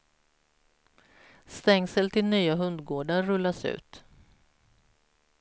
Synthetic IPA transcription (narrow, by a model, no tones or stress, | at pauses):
st̪ɛŋsəlt̪ʰɪlnyːaɦɵnd̪ɡoːɖaːɵlːasʉ̟̰ːt̪